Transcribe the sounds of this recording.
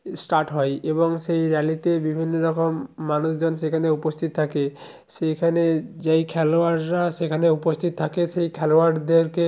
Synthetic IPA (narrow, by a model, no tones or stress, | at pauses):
sʈaɾʈɦɔeeboŋʃejɾɛlit̪ebibʱinːoɾɔkomːanuʃd͡ʑonʃekʰaneupost̪ʰit̪̚ːt̪ʰake | ʃekʰaned͡ʑejkʰɛloaɾːaʃekʰaneupost̪ʰit̪ot̪ʰakeʃejkʰɛloaɾd̪eɾke